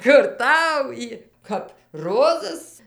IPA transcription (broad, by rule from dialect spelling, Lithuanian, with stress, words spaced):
kʊr ˈtɐʊ ˈjiː kɐp ˈroːzɐs